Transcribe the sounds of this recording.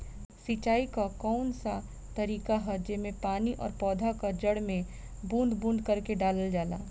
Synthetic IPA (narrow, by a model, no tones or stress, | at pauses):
sit͡ʃaːikakɔːʊnsa | t̪əɾiːkaɦɛd͡ʒemẽpaːniʔɔ̰ːɾpɔːd̪ʱakad͡ʒəɽmẽ | bũːnd̪bũːnd̪kəɾkeɖaːləld͡ʒaːla̰ː